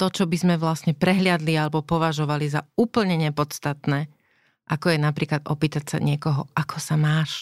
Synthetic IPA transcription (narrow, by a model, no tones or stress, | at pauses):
t̪ɔt͡ʃɔbizmɛʋlasɲɛpɾɛɦlɪad̪lialɛbɔpɔʋaʒɔʋalizauːpl̩ɲɛɲɛpɔt͡st̪at̪nɛː | ʔakɔjɛnapɾiːklad̪ɔpiːt̪acsa̰ɲɪɛkɔɦɔʔakʰɔsamaːʃ